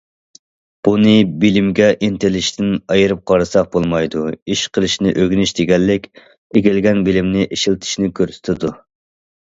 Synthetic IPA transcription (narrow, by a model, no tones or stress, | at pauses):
b̥unɨbilɪmɡʲɛʔent̪ʰɪlɪʃt̪ʰɪnɑjɨɾɨp̚qʰɑɾɨsɑq̚bolˠmɑjd̪uiʃqʰəlˠɨʃnɪʔøɡʲnyʃd̪eɡʲɛlːɪkʲ | eɡʲilɡʲɛnbɪlɪmnɪʔeʃilt̪ʰɪ̥ʃnɪkʲʰøɾsy̥t̪ʰɪd̪u